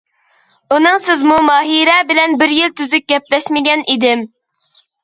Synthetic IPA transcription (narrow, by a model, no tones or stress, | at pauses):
unɨŋsɪzmumɑːɦiɾɛbɪlɛnbɪɾjilt̪ʰyzyk̚ɡʲɛplɛʃmɪɡʲɛnʔid̪ɪm